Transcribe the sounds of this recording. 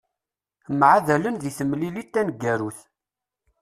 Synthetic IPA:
mʕaðælənðiθəmlilit̪ːænɡːæɾuθ

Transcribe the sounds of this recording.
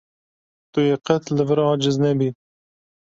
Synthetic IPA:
t̪ujeqɛt̪lɨvɨɾɑːd͡ʒɪznɛbi

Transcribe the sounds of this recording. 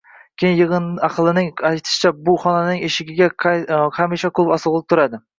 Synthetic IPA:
kʲʰejnjɨʁɨnɑqʰlˠɪnɪŋajt̪ʰɪ̥ʃɪ̥t͡ʃʰabʊχɒnanɪŋeʃɪɡʲɪɡʲaχamiʃakʰɵpɒsɨʁlˠɪp̚t̪ʰʊɾad̪ɪ

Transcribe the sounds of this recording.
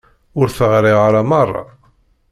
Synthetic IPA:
ʊɾθəʁɾɪʁaɾamɑrˤːɑ̰

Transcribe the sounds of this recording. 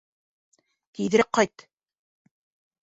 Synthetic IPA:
t̪ið̆ɾɘqːɑjt̪

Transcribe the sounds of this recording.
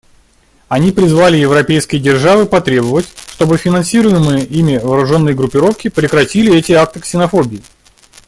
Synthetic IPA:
ɐnʲipɾʲɪzvalʲɪjɪvɾɐpʲejskʲɪjədʲɪrʐavɨpɐt̪ɾʲe̞bəvətʲʂt̪o̞bɨfʲɪnɐnsʲiɾʊjɪmɨjəimʲɪvəːɾʊʐo̞nːəjɡɾʊpʲːɪɾo̞fkʲɪpɾʲɪkɾɐtʲilʲɪɛtʲɪak̚t̪ɨksʲɪnɐfo̞bʲɪː

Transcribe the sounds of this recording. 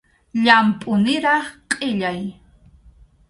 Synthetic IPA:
ʎampʼʊnɪɾɑχqʼɪʎaj

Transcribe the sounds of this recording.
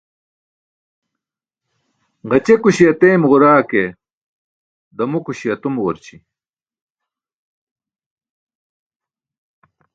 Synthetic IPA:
ʁɐt͡ɕekuɕiɐt̪eːmʁuɾaːke | d̪ɐmukuɕiɐt̪umwɐɾt͡ɕi

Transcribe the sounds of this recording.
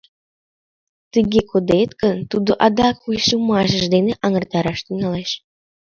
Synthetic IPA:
t̪əɣekod̪et̪kə̆nt̪ud̪oʔɑd̪ɑkujʃumɑʃə̆ʒd̪eneʔɑŋərt̪ɑɾɑʃt̪yŋɑleʃ

